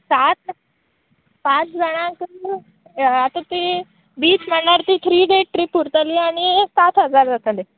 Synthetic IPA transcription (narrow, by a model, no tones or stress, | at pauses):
sat̪ | pãt͡sd͡zəɽ̃ãkə | at̪ot̪i | biːt͡sm̤əɳːaɾt̪iːt̪ʰɾiːɖeʈ̚ʈɾiːpuɾt̪aliaɽ̃isat̪ɦəd͡zaɾd͡zasale